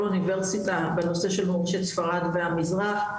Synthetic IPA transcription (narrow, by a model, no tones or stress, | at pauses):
univeʁsitabeno̞se̞ʃe̞lhoʁʃet̪sfaʁad̪veamizʁaχ